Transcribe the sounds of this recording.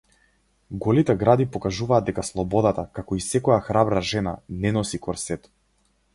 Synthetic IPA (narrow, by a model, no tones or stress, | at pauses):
ɡɔlit̪ɛɡɾad̪ipɔkaʒuvaːd̪̚d̪ɛkaslˠɔbɔd̪at̪akakɔisɛkɔjaxɾabɾaʒɛna̰nɛnɔsikɔɾsɛt̪